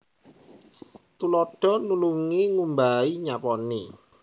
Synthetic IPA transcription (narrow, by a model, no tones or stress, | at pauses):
t̪ulɔɖ̥ɔ̤nuluŋiŋumbaiɲapɔni